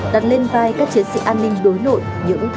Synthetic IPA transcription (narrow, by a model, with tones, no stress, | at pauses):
ɗaː˨˩t̚le˧nvaː˧jkaː˦˥k̚t͡ɕi˨˦ənsḭ˧˨ʔaː˧nːï˧ŋ̟ɗo˨˦jlo̰˧˨j | ɲɨ̰˧˥ŋ